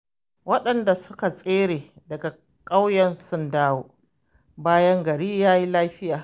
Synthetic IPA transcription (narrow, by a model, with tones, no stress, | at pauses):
wɐ˦ɗɐ˨nda˨sʊ˦ka˨sʼeː˦ɾeː˨ | dɐ˨ɡa˨ | kʼa˦wjɐ˨nsʊ˦ndaː˦woː˨ | baː˦jɐ˦ŋɡɐ˨ɽiː˦jaː˦ji˦laː˦ɸɪ˦jaː˨